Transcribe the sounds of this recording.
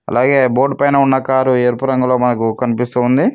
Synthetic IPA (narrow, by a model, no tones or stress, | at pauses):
ɐ̰lʔaːɡe̞ːbo̞ːʈpɐjnɐunːɐkaːɾueːɾpuɾɐŋɡulo̞ːmɐnɐkukɐnipist̪uːnd̪i